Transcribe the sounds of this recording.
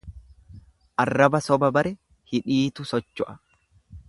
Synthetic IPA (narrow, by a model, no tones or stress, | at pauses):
ʔɐrːɐbɐsɔbɐbɐɾɛ | hɪᶑiːt̪ʊsɔt͡ʃːʊʔɐ̥